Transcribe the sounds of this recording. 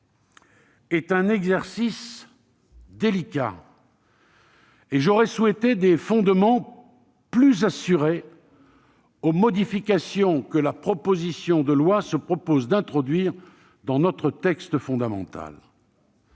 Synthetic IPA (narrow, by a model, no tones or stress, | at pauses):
ɛt̪ɛ̃nɛɡzɛʁsis | d̪elikʲa̰ | eʒɔʁɛswɛt̪ed̪efɔ̃d̪mɑ̃ | plyzasyʁe | omɔd̪ifikʲasjɔ̃kəlapχɔpozisjɔ̃d̪əlwasəpχɔpozd̪ɛ̃t̪χɔd̪ɥiːʁ | d̪ɑ̃nɔt̪χət̪ɛkst̪əfɔ̃d̪amɑ̰̃t̪a̰l